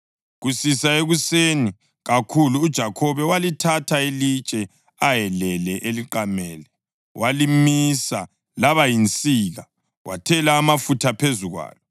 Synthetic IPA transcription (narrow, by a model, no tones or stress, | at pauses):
ɣusisaeɣuseni | ɣakʰuluːd̥ʒ̥ʱakʰɔβɛwalitʰatʰaelit͡ʃʼɛ | ajɛlɛlɛʔeliǃamɛːlɛ | wʔalimisa | laβajint͡sʼiɣa | wʔa̰tʰɛlaːmafutʰapʰezuɣwa̰ːjɔ